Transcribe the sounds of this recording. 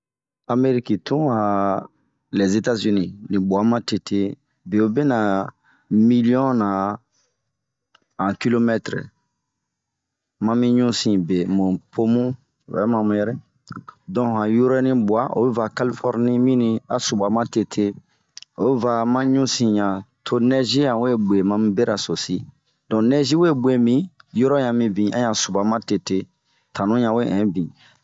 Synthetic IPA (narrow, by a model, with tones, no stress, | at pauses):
a˨me˦ɾi˦ki˨tũ˦a˨ | lɛ˨ze˦ta˦zi˦nĩ˦˨nĩ˨bu˨a˨mã˦te˨tʰe˦ | be˨o˨bɛ˦na˨ | mi˦li˦ɔ̃˦nã˨ | ã˨ki˦lo˦mɛ˦tɾ | mã˦mĩ˦ɲũ˦sĩ˨be˨mũ˨pʰo˦mũ˦˨ | wɛ̰˨˦mã˨mũ˨jɛ˦ɾɛ˦ | dɔ̃˨ɦã˨ju˦ɾe˦nĩ˦bu˨a˦o̰˨bɛ˦va˨ka˦li˦fɔ˦ɾnĩ˦mĩ˦nĩ˦a˨su˨ba˨mã˦te˦tʰe˦ | o˨bva˨mã˦ɲũ˦sĩ˨ɲã˨tʰo˦nɛ˦ʒi˦ã˨we˦˨be˨mã˦mĩ˦be˦ɾa˨so˨si˦ | dɔ̃˨nɛ˦ʒi˦we˦bwe˦mĩ˦jɔ˦ɾɔ˦jã˨mĩ˨bĩ˨ã̰˦jã˨su˨ba˨mã˦te˨te˦ | tʰã˨nũ˦jã˨we˦ɛ̃˨˦bĩ˨